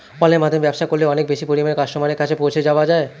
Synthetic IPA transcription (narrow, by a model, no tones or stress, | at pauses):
fɔlemad̪ʱeɾbɛbʃakolːeɔnek̚beʃipoɾimanekat͡ɕʃomaneɾkat͡ɕʰepowt͡ɕʰed͡ʑaoad͡ʑae